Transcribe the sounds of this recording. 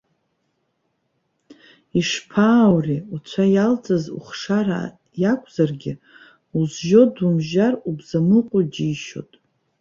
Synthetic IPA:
iʂpʰaːwriut͡ɕʷʰajalt͡sʼazṵχʂara̰ | jakʷʼʰz̥arɡʲɪ | uzʒodumʒarubzamɨqʷʼod͡ʒijʃo̞̰tʼ

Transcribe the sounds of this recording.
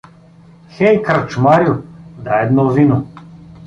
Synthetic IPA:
xɛjkɾat͡ʃmaɾjud̪aɛd̪nɔvinʊ

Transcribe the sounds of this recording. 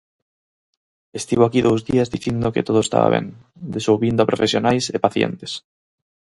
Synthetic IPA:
est̪iβoakiðowzðiazðiθind̪oket̪oð̞oest̪a̰βa̰βɛ̰n | d̪esowβind̪ʊapɾofesjonajsepaθjɛ̰nt̪e̥s

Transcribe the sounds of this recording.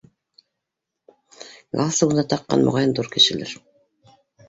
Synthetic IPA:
ɡɑlˠsɤwɤ̆nd̪ɑt̪ɑqːɑ̰nmo̰ʁɑjɤnd̪uɾkɘ̆ʃɘ̆læɾ

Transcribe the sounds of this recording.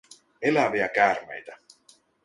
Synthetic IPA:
e̞læʋiækæːɾmḛjt̪æ

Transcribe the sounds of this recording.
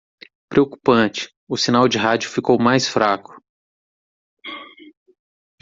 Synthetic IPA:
pɾeoku̥pɐ̃t͡ʃɪ̥ | ʊsinawd͡ʒɪɦad͡ʒʊfikowmajsfɾakʊ̥

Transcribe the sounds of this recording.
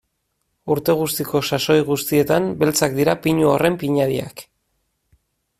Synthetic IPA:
uɾt̪e̞ɣ̞ust̪iko̞saso̞jɣust̪ie̞t̪ambe̞lt͡sak̚d̪iɾapiɲuore̞mpiɲaðia̰k

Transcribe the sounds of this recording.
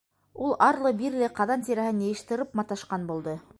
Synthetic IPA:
ulˠɑɾlˠɤbiɾlɘqɑðɑnt̪iɾæhɘnjɤjɤ̆ʃt̪ɤ̆ɾɤpmɑt̪ɑʃqɑnbulˠd̪ɤ

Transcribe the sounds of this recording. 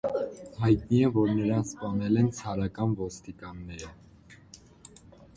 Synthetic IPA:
hɑjt̪niɛvɔɾnəɾɑnspɑnɛlɛnt͡sʰɑɾɑkɑnvɔst̪ikɑnːɛɾə

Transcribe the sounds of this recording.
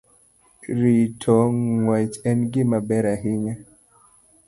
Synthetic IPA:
ɾitʰɔŋwat͡ʃɛnɡimabɛɾaɦiŋɛ

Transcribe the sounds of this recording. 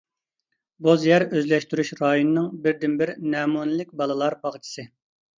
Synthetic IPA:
bozjɛɾøzlɛʃt̪yɾyʃɾɑːjonɨnɨŋbɪɾd̪ɪnbɪɾnɛːmunɨlɪk̚ʲbɑlˠɨlˠɑɾbɑʁt͡ʃʰi̥sɨ

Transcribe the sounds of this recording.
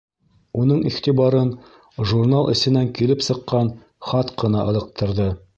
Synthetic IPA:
unɤɴiχt̪iβɑɾɤn | ʒurnalˠɘ̰̆sɘ̆næŋkilɘpsɤ̆qːɑn | χɑt̪qɤ̆nɑʔɤ̆lˠɤ̆q̚t̪ʰɤ̆ɾðɤ

